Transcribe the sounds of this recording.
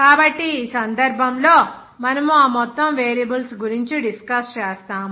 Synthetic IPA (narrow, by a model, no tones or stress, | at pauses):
kaːbɐʈːiːsɐnd̪ɐɾbʱɐmlo̞ː | mɐnɐmuaːmɔt̪ːɐmʋeːɾjɐbɐlsɡuɾiɲt͡ʃiɖiskɐst͡ʃɛːst̪aːm